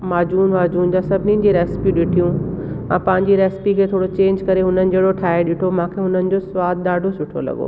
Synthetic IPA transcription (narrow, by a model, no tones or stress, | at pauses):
maːd͡ʑuːnmaːd͡ʑuːnd͡ʑaːsɐbʱɪnĩ̆ːd͡ʑiɾɛːsɪ̥piɗɪʈʰijũ | ɛ̰̃pɐ̃ɦɪ̃ɲd͡ʑiɾɛːspikʰeːt̪ʰoːɽot͡ɕẽːɲd͡ʑkɐɾeɦʊnənɪ̆d͡ʑɐɦɪɽoʈʰaːeɗɪʈʰomãːkʰeɦʊnənɪ̆d͡ʑosʋaːd̪̚ɗ̪aːɖʱosʊʈʰo̰lɐ̰ɠo̰ː